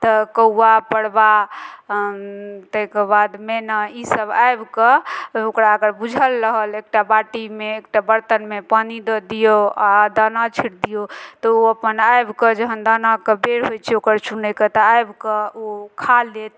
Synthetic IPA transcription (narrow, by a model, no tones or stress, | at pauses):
t̪ɔkəuapəɽba | t̪əɦkebad̪menaisəbajbkəokɾaəɡəɾbud͡ʒʱəlːəɦəlek̚ʈabaʈimeːk̚ʈabəɾt̪ənmepənid̪ɔd̪ijoad̪anat͡ʃʰiʈd̪ijot̪ɔoəpənajbked͡ʒəɦənd̪anakebeɾɦojt͡ʃʰɛokəɾt͡ʃʰunəket̪ɔajbkəokʰalet̪̚